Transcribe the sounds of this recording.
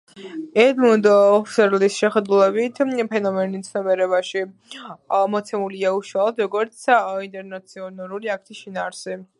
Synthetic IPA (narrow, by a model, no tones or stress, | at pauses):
ɛd̪mund̪ːfsɛɾlisʃɛχɛd̪ulˠɛbit̪ʰpʰɛnɔmɛnit̪sʰnɔmɛɾɛβaʃi | mɔt̪sʰɛmuliauʃwalˠɔd̪ɾɔɡɔɾt̪sʰint̪ʼɛɾnat̪sʰiɔnaɾuliak̚t̪ʰisʃinaːɾsɛ